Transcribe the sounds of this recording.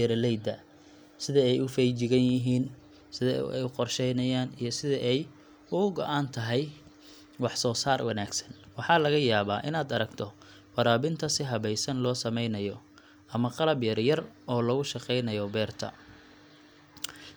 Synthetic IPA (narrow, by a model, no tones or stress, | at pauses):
ɛɾlɛjd̪ɐ | sɪðɐɛjʊfɛjt͡ʃɪɣɐnjɪɦiːn | sɪðɐɛ̰jqɔrʃɛjnɐjaːnijɞsɪðɐʔɛj | ʊʊɡɔʔaːnt̪ʰɐɦɛj | wɑħsɔːsaːrwɑnaːɡsɐ̥nwɑħɑlɐɣɐjaːβa̰ːʔɪnaːd̪ɐɾɐɡt̪ʰɔ | wɑɾaːβɪnt̪ʰɐsɪɦɐβɛjsɐnlɔːsɐmɛjnɐjɔ | ʔɐmɐqɑlɐbjɐrjɐrʔɔːlɐɣʊʃɑqɛjnɐjɔbɛːrt̪ʰɐ̰